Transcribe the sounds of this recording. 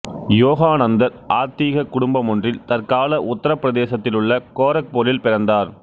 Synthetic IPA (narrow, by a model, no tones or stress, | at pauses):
joːɣaːnɐnd̪ɐɾʔaːɾt̪iːɣɐkːʊɽʊmbɐmʊndrɪlt̪ɐɾkaːlɐʔʊt̪ːɐɾɐpːɪɾɐðeːsɐt̪ːɪlɯɭːɐkoːɾɐk̚poːlɪlpɪɾɐnd̪aːɾ